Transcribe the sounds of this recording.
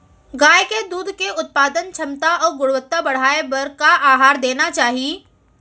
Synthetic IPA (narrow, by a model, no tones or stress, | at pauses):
ɡaːjked̪uːd̪ʱkeʊt̪̚paːd̪ənt͡ʃʰɐmt̪aɔːɾɡʊɽʋət̪ːabɐɽ̤aːebɐɾkaʔaːɦaːɾd̪eːnat͡ʃaːɦie